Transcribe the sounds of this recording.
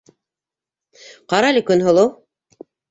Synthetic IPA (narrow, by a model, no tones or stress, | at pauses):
qɑɾɑlʲikɵnɦŏlˠɤw